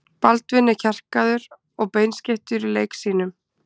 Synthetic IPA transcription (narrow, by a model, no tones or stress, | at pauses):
palt̪vɪnːɪɾcʰɛr̥kaðʏɾ | ɔɣpejnscɪht̪ʏɾileːjksiːnʏm